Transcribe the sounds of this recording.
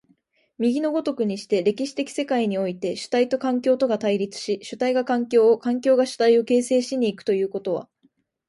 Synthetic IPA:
mʲiɡʲino̞ɡo̞t̪o̞kɯ̟ɲ̟iɕi̥t̪e̞ɾe̞kʲiɕi̥t̪e̞kʲi̥se̞kaiɲ̟io̞it̪e̞ɕɨ̥t̪ait̪o̞kãŋkʲo̞ːt̪o̞ɡat̪aiɾʲit͡sɨ̥ɕiɕɨt̪aiɡakãŋkʲo̞ːkãŋkʲo̞ːɡaɕɨ̥t̪aio̞ke̞ːse̞ːɕiɲ̟iːkɯ̟̥t̪o̞jɯ̟ːko̞t̪o̞βa̰

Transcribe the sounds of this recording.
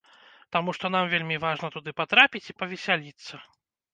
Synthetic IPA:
t̪amuʂt̪ɔn̪amvʲelʲmʲivaʐnɐt̪ud̪ɨpat̪ɾapʲit͡sʲipɐvʲɛsʲalʲit̪sːɐ

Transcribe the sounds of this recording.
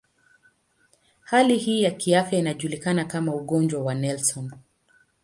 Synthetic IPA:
halihiːjakiafjainaʄulikanakamauɠɔnd͡ʒwawanɛlsɔn

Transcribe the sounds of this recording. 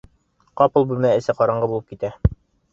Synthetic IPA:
qɑpɤlˠbʉlmæɘ̆sɘqɑɾɑɴɢɤbulˠɤp̚kit̪æ

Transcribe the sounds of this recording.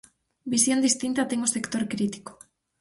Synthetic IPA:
bisio̞nd̪ist̪int̪at̪eŋɡose̞kt̪o̞ɾkɾit̪i̥ko̥

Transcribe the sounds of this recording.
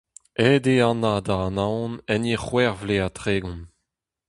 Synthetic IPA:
edeɑ̃nad̪aɑnãwnɛniχwɛʁvleat̪χeːɡɔ̃n

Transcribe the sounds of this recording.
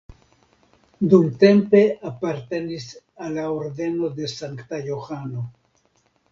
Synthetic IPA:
d̪umt̪e̞mpe̞apaɾt̪e̞nis | alaoɾd̪e̞no̞d̪e̞saŋkt̪ajoxano̞

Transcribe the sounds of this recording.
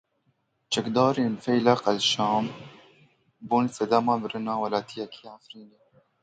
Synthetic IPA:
t͡ʃɛkd̪ɑːɾeːnfɛjlæqælʃɑːm | buːnsɛd̪amɑːbɨɾɨnɑːwɐlɑːt̪ʰijɛkʰi̥ːʕafɾiːneː

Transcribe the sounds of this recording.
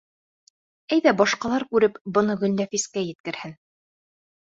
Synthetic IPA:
æjðæbɑʃqɑlˠɑɾkʉɾɘpbɤ̆nɤɡɵ̆lnæfiskæjɘ̆t̪̚kɘ̆ɾhɘn

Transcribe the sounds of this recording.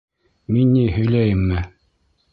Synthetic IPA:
minːihɵ̆jlæjɘmːɘ

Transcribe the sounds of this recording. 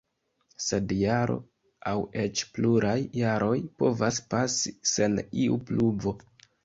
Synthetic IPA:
se̞djaɾo̞̰ | awe̞t͡ʃpluɾajːaɾo̞jpo̞vaspasise̞niṵplubo̞

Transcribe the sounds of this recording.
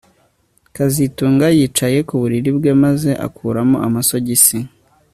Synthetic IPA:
kazituːŋɡajiːt͡ʃaje̞kuβuɾiɾibɡe̞maze̞ʔa̰kʰuːɾamoʔamaso̞ɟisi

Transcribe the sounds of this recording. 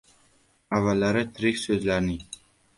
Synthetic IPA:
avalːæɾɘt̪ʰɾiksɵzlæɾni

